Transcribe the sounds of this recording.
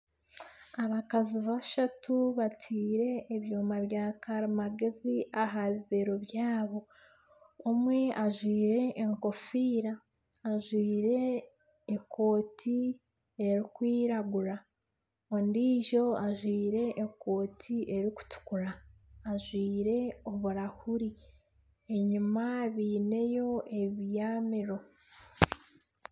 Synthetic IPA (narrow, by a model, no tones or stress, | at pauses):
aβakaziβaʃatuβatʰiːɾe̞ːβjoːmaβjaːkaɾimaɡe̞ziʔaɦaβiβe̞ɾo̞βjaːβo̞ː | mwe̞aʒwiːɾe̞ʔːŋko̞fiːɾaː | ʒwiːɾe̞ | ekʰo̞ːtʰi | e̞ɾikwiːɾaɡuɾa | ondiːʒo̞aʒwiːɾe̞ʔːko̞ːtʰiʔe̞ɾiku̥tu̥kuɾaːʒwiːɾe̞o̞βuɾahuɾi | eɲumaβiːne̞jo̞e̞βijaːmiɾo̞